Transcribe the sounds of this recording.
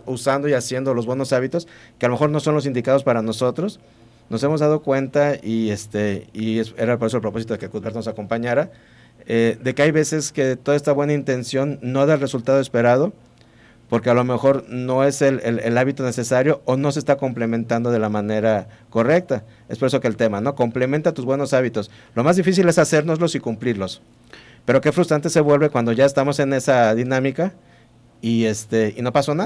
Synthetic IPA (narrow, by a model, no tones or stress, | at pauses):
usand̪oiasje̞nd̪olo̞zβweno̞saβit̪o̞skealomexo̞ɾno̞so̞nlo̞s̬ind̪ikað̞o̞s̬paɾano̞so̞t̪ɾo̞s | no̞se̞mo̞zðað̞o̞kwe̞nt̪aiest̪eiese̞ɾapo̞ɾes̬olpɾopo̞s̬it̪oekekuðβeɾt̪ono̞sako̞mpaɲaɾa | eðe̞keajβe̞se̞ske̞t̪oðaest̪aβwe̞naint̪e̞nsjo̞nːo̞aðalre̞sult̪að̞o̞e̞spe̞ɾað̞o̞ | po̞ɾke̞alo̞me̞xo̞ɾno̞e̞selelelaβit̪o̞ne̞se̞saɾjo̞ːno̞sest̪ako̞mple̞mẽ̞nt̪and̪o̞ð̞e̞lamãne̞ɾako̞re̞k̚t̪a | e̞spo̞ɾes̬o̞kelt̪e̞mano̞ko̞mple̞mẽ̞nt̪at̪uzβwe̞no̞saβit̪o̞s | lo̞mazðifis̬ile̞sase̞ɾno̞zlo̞sikumpliɾlo̞s | pe̞ɾo̞ke̞fɾust̪ɾant̪̬e̞se̞βwe̞lβe̞kwand̪o̞ʝae̞st̪amo̞se̞ne̞saðinãmika | iest̪e̞ino̞paso̞na